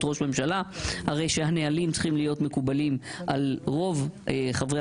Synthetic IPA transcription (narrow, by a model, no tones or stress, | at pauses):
tʁo̞ʃme̞mʃalahaʁe̞jʃehanealimtt͡sχimlijo̞t̪me̞kubalimʔalʁo̞vχavʁe